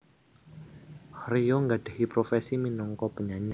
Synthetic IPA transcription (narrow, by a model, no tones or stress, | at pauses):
hrijoŋɡaɖ̥e̤hipɾofesiminɔŋkɔpəɲaɲa